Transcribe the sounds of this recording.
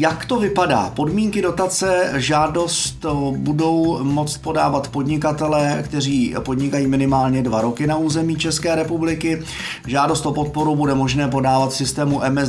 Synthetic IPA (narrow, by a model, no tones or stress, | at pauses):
jakt̪o̞vɪpada̰ːpo̞dmiːŋkɪdo̞t̪at͡sɛʒaːdo̞st̪budo̞wmo̞t͡st̪̚po̞daːvat̪po̞dɲɪkat̪ɛlɛːkt̪ɛr̝iːpo̞dɲɪkajiːmɪnɪmaːlɲɛdvaɾo̞kɪnauːzɛmiːt͡ʃɛskɛːɾɛpublɪkɪ | ʒaːdo̞st̪o̞po̞t̪̚po̞ɾubudɛmo̞ʒnɛːp̬o̞daːvat̪sɪst̪ɛːmuʔɛmɛ